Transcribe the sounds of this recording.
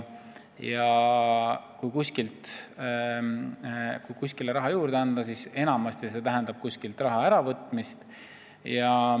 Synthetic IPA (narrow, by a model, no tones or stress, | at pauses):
jɑ | kujkuskilt̪ | kujkusʲkileɾɑɦɑjuːɾd̪̥eɑnd̪̥ɑsise̞nɑmɑst̪jɑse̞t̪æɦend̪̥ɑb̥̚kusʲkilt̪ˑrɑɦɑæɾɑvɤt̪ːˑmist̪ | jɑ